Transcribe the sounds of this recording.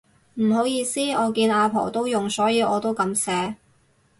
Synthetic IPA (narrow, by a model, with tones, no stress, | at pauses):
m̩˨˩ɦo˨˥wjiː˧siː˥ɔː˨˧kiː˧naː˧pʰɔ̰ː˨˩t̪o˥wjʊ˨ŋsɔː˨˥jiː˨˧ʔɔː˨˧t̪o˥wkɐ˨˧msɛː˨˥